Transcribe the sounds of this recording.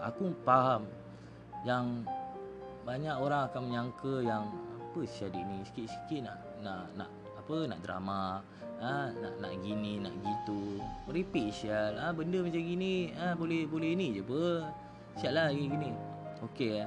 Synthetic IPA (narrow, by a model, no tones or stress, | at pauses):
a̰kupaɦam | jaŋ | baɲaʔoɾaŋakaməɲaŋkəjaŋapəsiadiʔnisə̥kiʔsə̥kiʔ̪̚naʔ | naʔna̰ʔ | apəna̰ʔdɾa̰ma | əna̰ʔna̰ʔɡinina̰ʔɡit̪uməɾipiʔsiəlabəndəmat͡ʃamɡiniəbolɛhbolɛinid͡ʒabə | siaʔlaɡiɡinioke